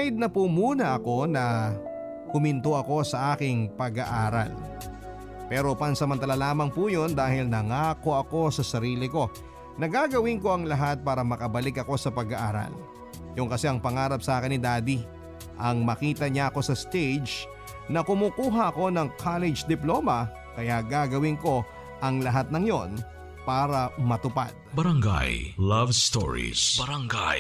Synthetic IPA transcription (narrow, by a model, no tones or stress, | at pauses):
jd̪̚nɐpumuːnɐʔɐko̞nɐ | kʊmɪnt̪oʔɐko̞sɐʔaːkɪŋpɐɡɐʔaːɾɐ̰l | pɛːɾo̞pɐnsɐmɐnt̪ɐlalaːmɐŋpujo̞nd̪aːhɪlnɐŋaːko̞ʔɐko̞sɐsɐɾiːlɪko̞ | nɐɡaɡɐwɪŋko̞ɐŋlɐɦat̪̚paːɾɐmɐkɐbɐlɪkɐko̞sɐpɐɡɐʔaːɾɐ̰l | jʊŋkɐsɛʔɐŋpɐŋaːɾɐp̚saːkɪnɪd̪aːd̪i | ʔɐŋmɐkiːt̪ɐɲaɐko̞sɐst̪ed͡ʒ | nɐkʊmuːkuːɦɐʔɐko̞nɐŋkʰalɛd͡ʒd̪ɪploːmɐ | kɐjaɡaːɡɐwɪŋko̞ | ʔɐŋlɐɦat̪̚nɐŋjo̞n | paːɾɐmɐt̪ʊpa̰d̪̥̚bɐɾɐŋɡa̰jlɐvst̪o̰ɹḭsbɐɾɐŋɡaj